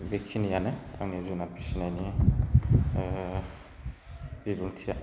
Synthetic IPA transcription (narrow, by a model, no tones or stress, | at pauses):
bekʰinijanɛa̰ŋezunapisinanĩ | bibutʰia